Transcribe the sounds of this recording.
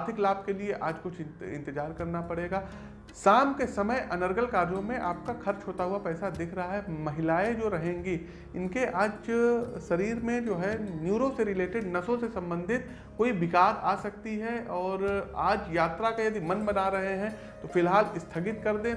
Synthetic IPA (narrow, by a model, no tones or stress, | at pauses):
t̪ʰɪklaːb̚kelieʔaːd͡ʒkʊt͡ʃʰɪ̰̃nt̪ɪd͡ʒaːɾkɐɾnapɐɽeːɡaː | saːmkesɐməjʔɐnəɾɡəlkaːɾjõmẽʔaːp̚kaxɐɾt͡ʃɦoːt̪aɦʊapɛːsad̪ɪkʰɾɐɦaɦɛmɐɦɪlaːed͡ʒoːɾɐɦẽːŋɡi | ɪnkeʔaːd͡ʒsɐɾiːɾmẽd͡ʒoːɦɛnjuːɾoseɾɪleːʈɪɖnɐsõsesɐ̃mbə̃nd̪ʱɪt̪ | koːibɪkaːd̪a̰ːsɐk̚t̪iɦɛʔɔːɾaːd͡ʒjaːt̪ɾakajɐd̪imɐnbɐnaɾɐɦeɦɛ̃ | t̪ofɪlɦaːlɪst̪ʰɐɡɪt̪kɐɾd̪ẽ